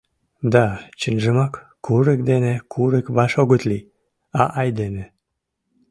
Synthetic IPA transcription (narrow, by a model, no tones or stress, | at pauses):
d̪ɑt͡ɕənʒəmɑkː | uɾek̚d̪enekʰuɾekβɑʃoɣət̪li | ɑʔɑjd̪ene